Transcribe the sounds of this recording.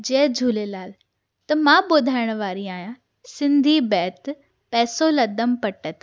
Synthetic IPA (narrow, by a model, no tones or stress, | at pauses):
d͡ʑɛːd͡ʑʱuːlelaːl | t̪ɐmãɓoːd̪ʱaːɪɽ̃ə̆ʋaːɾiaːɦijã | sɪ̃nd̪ʱibɛːt̪ | pɛːsolɐd̪əmpɐʈət̪